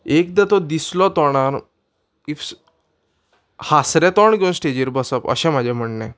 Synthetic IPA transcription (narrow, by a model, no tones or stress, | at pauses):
ekd̪at̪ɔd̪islɔt̪ɔɽ̃aɾ | ifs | hasɾɛ̃t̪ɔɳɡeũnsʈed͡ʑiɾbəsəpə̰ɕɛ̃m̤ad͡ʑʱɛ̃m̤əɳnɛ̃